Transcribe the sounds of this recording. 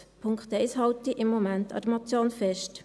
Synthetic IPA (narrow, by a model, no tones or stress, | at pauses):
pʰʊŋkt̪ɛɪshɑltiʔɪmːomæntɑ̰d̥əmɑt͡sjoːnfɛʃt